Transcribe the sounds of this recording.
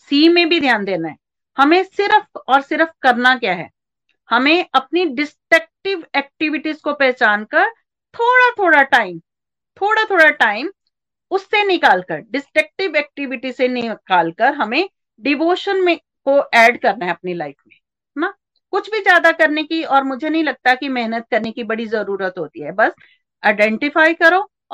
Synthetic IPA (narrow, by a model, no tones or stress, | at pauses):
siːmẽbʱid̪ʱjaːnd̪eːnaɦɛː | hɐmẽsɪɾfɔːɾsɪɾfkɐɾnakjaːɦɛ̰ː | hɐmẽʔɐpniɖɪsʈək̚ʈɪʋɛːk̚ʈɪʋɪʈizkopɛɦt͡ʃaːnkɐɾ | t̪ʰoːɽat̪ʰoːɽaʈaːɪm | t̪ʰoːɽat̪ʰoːɽaʈaːɪm | ʊsːenɪkaːlkəɾɖɪsʈək̚ʈɪʋɛːk̚ʈɪʋɪʈisenɪkaːlkɐɾɦɐmẽ | ɖɪʋoːʃənmẽ | koʔɛːɖkɐɾnaɦɛ̃ɐp̚nilaːɪkʰmẽ | naː | kʊt͡ʃʰbʱizjaːd̪akɐɾnekiɔːɾmʊd͡ʒʱenɐɦĩlɐɡ̚t̪akimɛɦnət̪̚kɐɾnekibɐɽizɐɾuːɾət̪ɦoːt̪iɦɛbɐs | aɪɖɛ̃ɳʈɪfaːikɐɾoː